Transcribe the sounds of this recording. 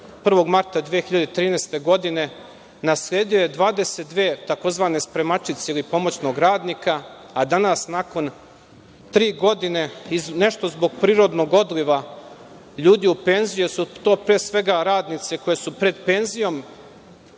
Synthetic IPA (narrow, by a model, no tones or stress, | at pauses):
pr̩ʋo̞ɡmaɾt̪ad̪ʋijexiʎad̪et̪ɾiːnejst̪e̞ɡo̞d̪ine̞ | naslʲeːd̪ijjed̪ʋaːd̪e̞set̪d̪ʋeːt̪ako̞zʋaːnespɾe̞mat͡ʃit̪seilipo̞mo̞t͡ɕno̞ːɡɾaːd̪nikaː | d̪anasnako̞n | t̪ɾiːɡo̞d̪ine̞izne̞ʃt̪o̞zbo̞ɡ̚pɾiːɾo̞d̪no̞ɡo̞d̪liʋa | ʎuːd̪iupe̞nzijesut̪o̞ːpɾeːsʋe̞ɡaɾaːd̪nit̪se̞ko̞jesupɾe̞d̪pe̞nzijo̞m